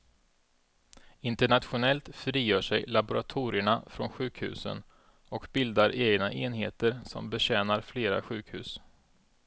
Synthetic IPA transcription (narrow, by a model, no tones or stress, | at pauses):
ɪnt̪əɳat̪ɧʊnɛlt̪fɾiːjœːʂɛjlabʊɾat̪ʰuːɾɪəɳafɾɔnɧʉ̟ːkhʉ̟̰ːsə̰n | ɔkbɪld̪aɾʔeːɡnaʔeːnɦeːt̪əɾsɔ̰mbɛɕɛːnaɾfleːɾa̰ɧʉ̟ːkhʉ̟ːs